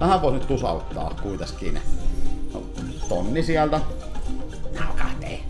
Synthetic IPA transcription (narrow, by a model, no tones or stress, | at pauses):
næhæʋʋoˑenyt̪t̪usɑ̰ˑut̪ːˑɑ̰ːkkuit̪ɑskiːnæ̰no̰ | t̪onːisiælt̪æ | nɑlkɑ̰t̪ːḛˑi